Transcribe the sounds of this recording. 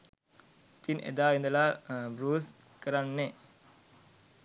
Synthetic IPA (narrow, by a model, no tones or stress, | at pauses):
i̥t̪inʔḛd̪aːind̪əlabɾuːs | kəɾanːe